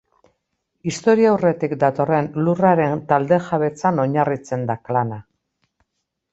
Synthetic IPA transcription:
ist̪o̞ɾiawre̞t̪ikd̪at̪o̞re̞nluraɾe̞nt̪ald̪e̞ʝaβe̞t͡sano̞ɲarit͡se̞nd̪aklana

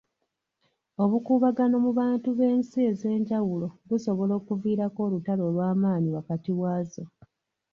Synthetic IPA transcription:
o̞βukuːβaɡano̞muβaːntuβe̞ːnsie̞ze̞ːɲɟawulo̞βuso̞βo̞lo̞ːkuviːɾako̞ːlutalo̞ːlwaːmaːniwakatiwaːzo̞

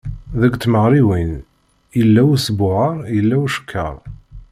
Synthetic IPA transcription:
ðæɡʷt̪ːməʁɾiwin | jəlːæwisbʊʕəɾˤjəlːæwʃə̥kʰːə̰ɾˤ

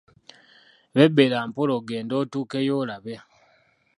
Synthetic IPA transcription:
βebelaːmpoloɡeːndotuːkejolaβe

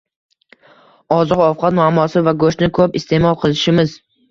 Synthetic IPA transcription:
ɒzɨqɒfqʰɑt̪mʊamːɒsɪvaɡoʃt̪nɪkʰopɪst̪e̞mɒlˠqʰɨlˠɪʃɪmɪz

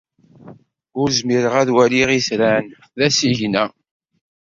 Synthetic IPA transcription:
ʊɾzmiɾəʁæðwæliʁisɾæn | ðæsiʝnæ

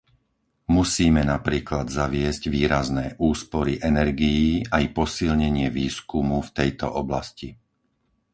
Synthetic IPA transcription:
musiːmɛnapɾiːklad̪zaʋɪɛzɟʋiːɾaznɛːʔuːspɔɾiʔɛnɛɾɡijiːajpɔsilɲɛɲɪɛʋiːskumuft̪ɛjt̪ɔ̰ʔɔblasci

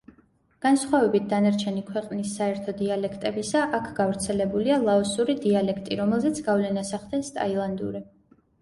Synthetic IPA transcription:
ɡ̥ansχwavɛbit̪̚ʰd̪anaɾt͡ʃʰɛnikʰwɛqʼnisːaɛɾt̪ʰɔd̪ialɛkʰt̪ʼɛbisaʔakʰɡavɾt̪sʰɛlɛbulialˠaɔsuɾid̪ialɛkʰt̪ʼiɾɔmɛlˠzɛt̪sʰɡavlɛnasaχd̪ɛnst̪ʼa̰ilˠand̪ṵɾi

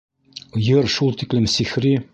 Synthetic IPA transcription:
jɤɾʃulˠt̪iklɘmsixɾi

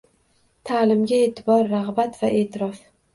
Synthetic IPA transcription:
t̪ʰaːlɪmɡʲae̞ːt̪ʰɪbɒɾːaʁbat̪vaʔe̞ːt̪ʰɪɾɒf

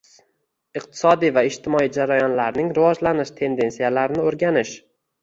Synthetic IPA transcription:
ɨqt̪ʰɪ̥sɒd̪ijvaɪʃt̪ʰɪmɒid͡ʒaɾajɒnlaɾnɪŋɾɪvɒd͡ʒlanɪʃt̪ʰe̞nd̪e̞nsijalaɾnɪoɾɡʲanɪʃ

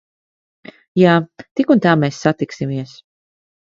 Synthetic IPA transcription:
jaːt̪ikunt̪aːmeːsːat̪iksimiɛs

